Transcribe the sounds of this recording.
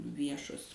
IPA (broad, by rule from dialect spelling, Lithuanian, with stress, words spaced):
ˈʋʲiɛʃoːs